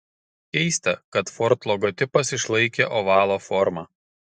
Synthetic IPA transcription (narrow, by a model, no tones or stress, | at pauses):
kʲɛɪsʲt̪ʲɛkɐt̪fɔɾt̪lˠɔɡɔt̪ʲɪpɐsɪʃlˠɐɪkʲeːʔɔʋɑːlˠoːfɔɾmɑː